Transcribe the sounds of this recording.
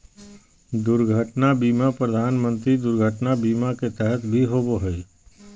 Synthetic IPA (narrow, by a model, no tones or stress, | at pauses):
d̪ʊɾɡʱəʈnabiːmapɾəd̪ʱaːnmə̃nt̪ɾid̪ʊɾɡʱəʈnabiːmaket̪ɛɦɛt̪bʱiɦoboɦɛi